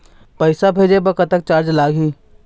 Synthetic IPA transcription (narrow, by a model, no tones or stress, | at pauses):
pəɪsabʱeːd͡ʒebəkət̪ək̚t͡ʃaːɾd͡ʒlaːɡi